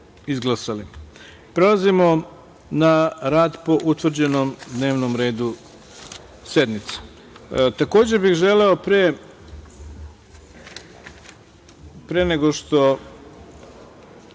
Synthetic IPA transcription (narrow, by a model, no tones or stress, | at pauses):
izɡlˠasali | pɾe̞lˠazimo̞ | naɾaːd̪po̞ʔut̪ʋr̩d͡ʑenomd̪ne̞ːʋnomɾe̞ːd̪u | sje̞d̪mit̪se̥ | t̪ako̞ːd͡ʑebixʒe̞leo̞pɾe | pɾeneɡo̞ʃt̪o̞